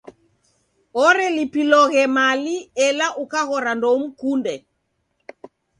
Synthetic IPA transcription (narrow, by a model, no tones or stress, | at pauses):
ɔɾɛlipilɔɣɛmaliɛlaʔukaɣɔɾandɔm̩kundɛ